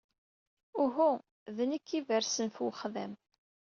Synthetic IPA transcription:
ʊɦu | ðənəkːivəɾsənfwχðæ̰m

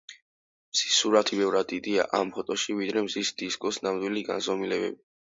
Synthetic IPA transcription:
msi̥suɾat̪ʰibɛvɾad̪id̪ia̰ʔampʰɔt̪ʼɔʃivid̪ɾɛmzisd̪̥iskʼɔsnamd̪wiliɡanzɔmilɛbɛ̰bi

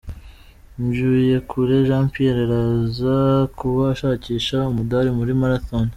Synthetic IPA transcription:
mjuːje̞kʰuɾe̞ʒaːmpieɾeɾazakuβaːʃaːciːʃaumudaɾimuɾimaɾaθon

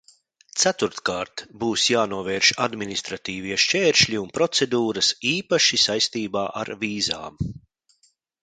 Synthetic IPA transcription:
t̪sæt̪uɾt̪kaːɾt̪buːsjaːnuɔvɛːɾʃad̪minʲist̪ɾat̪iːviɛʃʲt͡ʃɛːɾʃlʲiunpɾɔt̪sed̪uːɾɐsiːpaʃisajst̪iːbaːʔa̰ɾviːza̰ːm

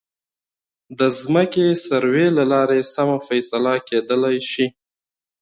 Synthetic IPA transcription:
d̪əzməkesaɾwelalɑɾesamafajsalaked̪əlajʃi

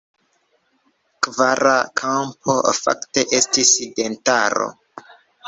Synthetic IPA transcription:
kvaɾakʰampʰo̞fa̰kte̞ʔe̞stiside̞ntaɾo̞̰

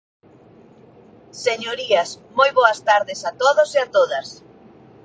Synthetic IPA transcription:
seɲoɾiɐs | mojβoɐst̪aɾðɪsat̪oðosiat̪oðɐs

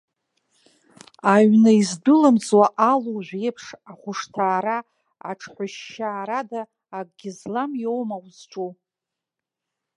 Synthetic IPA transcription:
aɥnaizdɨlɨmt͡swaʔaluʒʷejpʰʂaχʷʊʂtʰaːɾa | a̰ʈ͡ʂʰħʷʊʃːaːɾadaː | ɡ̚ʼɡʲɪzlamjowmawzʈ͡ʂʼo

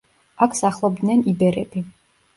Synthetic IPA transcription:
akʷʰsaχlˠɔbd̪nɛnibɛɾɛbʰi

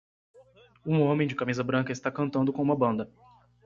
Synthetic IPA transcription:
ũõmẽj̃d͡ʒɪkamizɐbɾɐ̃kɐɪst̪akɐ̃nt̪ɐ̃d̪ʊkõũmɐbɐ̃nd̪ɐ

